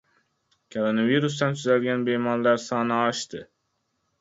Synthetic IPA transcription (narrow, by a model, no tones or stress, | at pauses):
kʰoɾonaviɾus̬t̪ɛnt̪ʰyzalɡʲænbemɒnlæɾsɑːnɨɑʃt̪ɪ